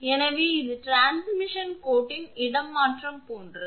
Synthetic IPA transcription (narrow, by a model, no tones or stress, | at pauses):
ɛnɐʋeːɪðɯʈɾaːnsmɪʂɐnkoːʈːɪnɪɽɐmːaːʈrɐmkoːnrɐ